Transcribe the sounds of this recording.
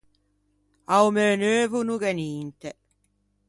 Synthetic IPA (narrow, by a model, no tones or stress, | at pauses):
awmɛːnøːvunuɡɛniːnt̪ɛ